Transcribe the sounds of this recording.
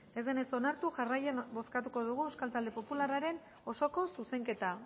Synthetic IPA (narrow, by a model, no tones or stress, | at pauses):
e̞zðe̞ne̞so̞naɾt̪uʝarajenbo̞skat̪uko̞ðuɣuewskalt̪ald̪e̞po̞pularaɾe̞n | o̞so̞ko̞suse̞ŋke̞t̪a